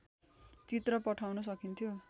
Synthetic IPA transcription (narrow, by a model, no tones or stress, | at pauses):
t͡sit̪rʌpʌʈʰawnʌsʌkint̪ʰjo